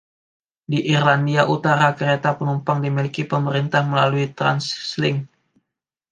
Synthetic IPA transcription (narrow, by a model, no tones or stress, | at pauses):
diʔirlandiaʔut̪aɾakəɾet̪apənumpaŋdimilikipəməɾint̪ahməlaluit̪ɾa̰nslɪŋ